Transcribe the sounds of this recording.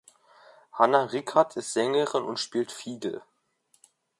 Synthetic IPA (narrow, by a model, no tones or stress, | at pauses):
hanaʁɪçatʰɪstz̥ɛŋəʁɪnʊntʃpiːltfiːɡl̩